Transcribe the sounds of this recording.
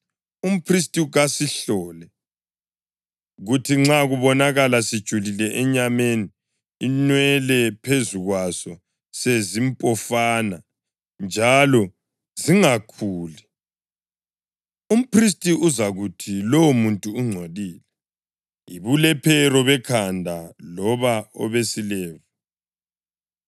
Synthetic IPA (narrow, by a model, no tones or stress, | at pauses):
um̩pʰris̬tʼiɣasiɬɔːlɛ | ɣutʰiŋ͡ǁaɣuβɔnaɣalasid̥ʒ̥ʱulilɛʔɛɲameni | inwɛlɛpʰezuɣwasɔ | sezimpʼɔfana | nd͡ʒʱalɔ | ziŋakʰuːlɛ | um̩pʰris̬tʼiuzaɣutʰilowumuntʼuːŋ͡ǀʱoðiːlɛ | iβulɛpʰɛɾɔβɛkʰandʱalɔβaɔ̰βesilɛːvi